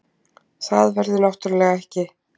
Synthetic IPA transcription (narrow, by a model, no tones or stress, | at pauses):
θaðvɛɾðɪnɔht̪ʏɾlɛːɣaɛhcɪ